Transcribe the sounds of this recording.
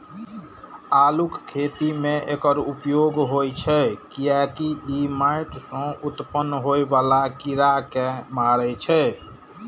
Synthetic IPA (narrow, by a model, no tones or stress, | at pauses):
alukkʰet̪imeʔekəɾupjoɡɦojt͡ʃʰɛkijakiimajʈsə̃ut̪pənːɦojbalakiɾakemaɾɛt͡ʃʰɛ